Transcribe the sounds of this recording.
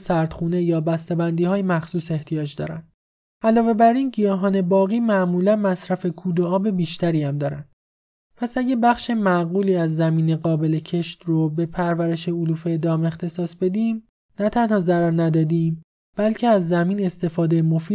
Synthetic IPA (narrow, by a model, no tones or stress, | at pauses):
sæɾd̪̥xuːne̞jɒːbæst̪ebænd̪iːhɒːjemæxsuːse̞ht̪ʰijɒːd͡ʒd̪ɒ̰ːɾæ̰nd̪ | ʔælɒːve̞bæɾiːnɟijɒːɦɒːne̞bɒːɣiːmæʔmuːlænmæsɾæfe̞kʰuːd̪oɒːbe̞biːʃt̪æɾiːhæmd̪ɒːɾæ̰nd̪ | pʰæsæɟæbæxʃemæɣuːliːæzːæmiːne̞ɣɒːbe̞le̞cʰe̞ʃt̪robe̞pʰæɾvæɾe̞ʃeoluːfe̞d̪ɒːme̞xt̪ʰe̞sɒːsbe̞d̪iːm | næt̪ʰænhɒːzæɾæɾnæd̪ɒːd̪iːm | b̥ælcʰe̞æzːæmiːne̞st̪e̞fɒːd̪e̞jemo̞fiː